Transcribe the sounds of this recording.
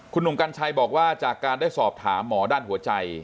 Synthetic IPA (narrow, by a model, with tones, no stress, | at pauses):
kʰu˧nːu˨˩ka˧nt͡ɕʰa˧jbɔː˨˩k̚waː˥˩t͡ɕaː˨˩kːaː˧ndaː˥˩jsɔː˨˩p̚t̪ʰa̰ː˩˦mːɔː˩˦daː˥˩nhu˩˦ɐt͡ɕa˧j